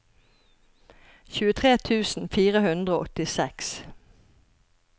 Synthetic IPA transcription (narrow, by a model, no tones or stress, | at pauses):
çʉːət̪ʰʁeːt̪ʰʉːsn̩fiːʁəhʉnd̪ʁəoːʔɔt̪ɪsɛks